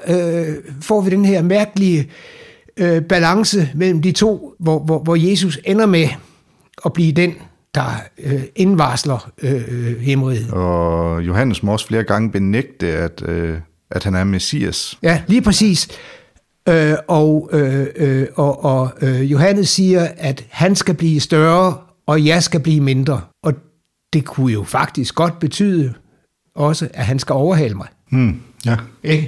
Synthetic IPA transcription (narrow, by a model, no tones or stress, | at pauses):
øfɒ̰ːʋid̥enheɐmæɐɡ̥əliə | øb̥ælɑ̈ŋsəmel̰m̩d̥it͡sʰo̝̰ːʋɒʋɒʋɒje̝ːs̬usenɐme | ɒ̽b̥liːd̥en | d̥ɑ̈øe̝nʋɑ̈slɐøhemʁið̩ˠɒjo̝ɦæn̰əsmɒɒ̽sfle̝ːɐɡ̥ɑ̈ŋəb̥e̝neɡ̥̚d̥əæd̥ | ʔæd̥hænæɐmesḭːæsjæliːpʰʁɛsḭːs | øɒʊø | ɒʔɒøjo̝ɦænəsːiːɐæd̥hænsɡ̥æb̥liːsd̥ɶɐ | ɒ̽jɑ̈ɪsɡ̥æb̥liːme̝nd̥ʁɐʔɒ̽ | d̥e̝kʰujo̝fɑ̈ɡ̥̚d̥isɡ̥ɡ̥ɒ̽d̥̚b̥e̝t͡sʰy̰ːðˠə | ɒ̽səʔæɦænsɡ̥æɒʊɐɦɛ̰ləmɑ̈ɪ | eɡ̥ə